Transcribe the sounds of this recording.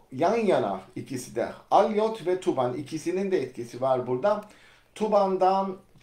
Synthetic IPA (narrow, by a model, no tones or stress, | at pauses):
janjana̰icʰisid̪ɛ̰alʲjot̪vɛt̪ʰubanḭcʰisinind̪ɛɛt̪cʰisivaɾbuɾd̪a | t̪ʰuband̪an